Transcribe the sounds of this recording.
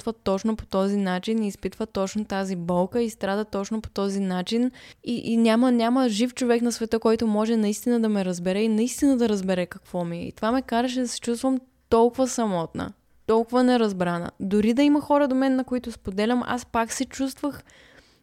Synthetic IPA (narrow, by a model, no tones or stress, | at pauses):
t̪vət̪ɔt͡ʃnopo̥t̪ɔzinat͡ʃiniːspit̪vət̪ɔt͡ʃnot̪azibɔlˠkəist̪ɾad̪ɐt̪ɔt͡ʃnopo̥t̪ɔzinat͡ʃiniʔnʲamənʲaməʒift͡ʃovɛknɐsvɛt̪əkɔjt̪ʊmɔʒɛnɐist̪inəd̪ɐmɛɾɐzbɛɾɛinɐist̪inəd̪ɐɾəzbɛɾɛkɐkvɔmiɛ̰ḭt̪ovamɛkaɾəʃ̬ɛd̪ɐsɛ̥t͡ʃust̪vəm | t̪ɔlˠkʊvəsɐmɔt̪nə̰ | t̪ɔlˠkʊvənɛɾɐzbɾanə̰d̪ʊɾid̪ɐimɐxɔɾəd̪omɛnːɐkoit̪ʊspod̪ɛlʲɐmʔa̰spaksɛt͡ʃust̪vəx